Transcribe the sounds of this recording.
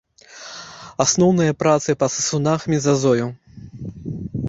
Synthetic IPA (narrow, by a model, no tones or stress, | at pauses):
asnɔwnɨjɐpɾat̪sɨpɐt̪sɨsunaxmʲizazɔju